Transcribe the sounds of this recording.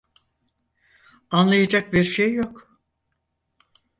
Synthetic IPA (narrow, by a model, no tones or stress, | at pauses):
anlˠajad͡ʒak̚biɾʃejːo̞k